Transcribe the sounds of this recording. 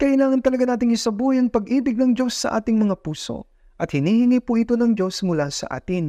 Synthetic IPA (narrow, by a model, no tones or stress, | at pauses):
kɐʔɪlaːŋɐnt̪ɐlɐɡanaːt̪ɪŋɪsɐbujɐŋpɐɡʔiːbɪɡ̚nɐŋd͡ʒo̞sːɐʔa̰ːt̪ɪŋmɐŋapuːso̞̰ | ʔɐt̪̚hɪniːhɪŋiːpʊʔɪt̪o̞nɐŋd͡ʒo̞smʊlasɐ̰ʔa̰ːt̪ɪn